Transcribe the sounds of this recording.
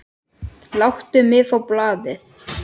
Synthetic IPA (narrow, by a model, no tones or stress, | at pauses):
lawht̪ʏmɪːfawplaːðɪθ